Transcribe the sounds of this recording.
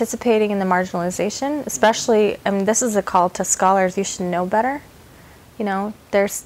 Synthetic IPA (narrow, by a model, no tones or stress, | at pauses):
tɪsɨpʰeɪɾɪ̃ŋɨ̃nðɨmɑɹd͡ʒɨnl̩ˠəzeɪʃɨ̃nɨspɛʃl̩ˠiaɪm̃nðɪsɨzɨkʰɔlˠtʰɨskɑlˠə˞zjɨʃɨdⁿnoʊbɛɾə˞ | jɨñoʊðə˞z̥